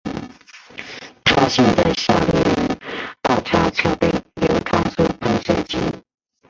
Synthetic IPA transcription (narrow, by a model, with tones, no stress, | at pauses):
t̪ʰa˥ɕi˥˧˩nd̪aə˧˩ɕja̰˧˥li˥˩ɻə˧˥nt̪ɑ˥˩ʈ͡ʂʰa˥t͡ɕʰjɑ˧˥ʊpe˥˩ɪljo˨˩ʊt̪ʰa˥ŋsu˥˩pʰə˧˥ŋʂə˥˩t͡ɕi˧˥